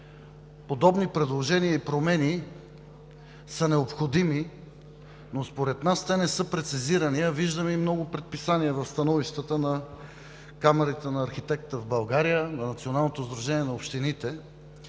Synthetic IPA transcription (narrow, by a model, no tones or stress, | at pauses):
pod̪ɔbnipɾɛd̪lˠoʒɛnijəipɾomɛni | sənɛopxod̪imi | nospoɾɛt̪nast̪ɛnɛsɤpɾɛt̪siziɾɐniɐviʒd̪əmɛimnɔɡʊpɾɛt̪̚pisaniəvɐfst̪ɐnɔviʃt̪ət̪ənɐ | kamɛɾit̪ɛnɐːɾxit̪ɛkt̪əvbɐlˠɡaɾijənɐnɐt̪sionalˠnot̪ozd̪ɾuʒɛniɛnɐopʃt̪init̪ɛ